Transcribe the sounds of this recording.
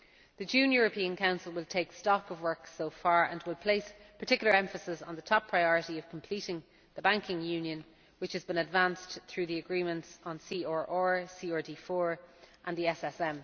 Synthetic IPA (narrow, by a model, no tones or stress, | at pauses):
ðəd͡ʒʉ̃njʊːɹəpʰĩə̃nkʰãʊ̃nsəlˠwɪlˠtʰeɪkstɔkəvwɜ˞ksoʊfaːɹə̰̃nwɪlˠpʰl̥eɪspʰə˞tʰɪkjl̩ˠə˞ɛ̃ɱfəsɪsn̩ðətʰɒpʰɹ̥aɪɔɹəɾiəv̥kʰə̃m̩pʰl̥iˑɾɪ̃ŋ | ðəbãŋkɪ̃ŋjʉ̃njə̃n | wɪt͡ʃhəzbɪ̃nədvãnsθɹʉːðiəɡɹĩːmə̃ntsn̩siːɔːɹʔɔːɹsiːɔdiːfɔːɹʔə̃nðiɛsɛsɛ̃m